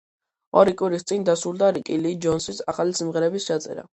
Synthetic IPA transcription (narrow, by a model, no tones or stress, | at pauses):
ɔɾikʼwiɾist̪sʼind̪asɾulˠd̪aɾikʼilid͡ʒɔnsisaχalisimʁɛɾɛbist͡ʃʰat̪sʼɛ̰ɾa̰